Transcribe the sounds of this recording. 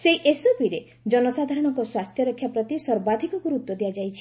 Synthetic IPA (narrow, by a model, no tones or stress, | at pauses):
seʔesobiɾe | d͡ʒɔnɔsad̪ʱaɾɔɽ̃ɔŋkɔswast̪ʰjɔɾɔkʰːjapɾɔt̪isɔɾbad̪ʱikɔkuɾut̪wɔd̪ijad͡ʒajt͡ʃʰi̥